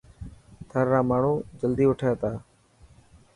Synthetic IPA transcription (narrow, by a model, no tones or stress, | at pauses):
t̪ʰəɾːaːmaːɳ̤uːd͡ʒəld̪iːʊʈʰjat̪aː